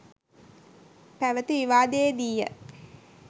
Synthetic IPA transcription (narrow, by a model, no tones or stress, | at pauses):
pæʋət̪iʋiʋaːd̪ejed̪ijə̰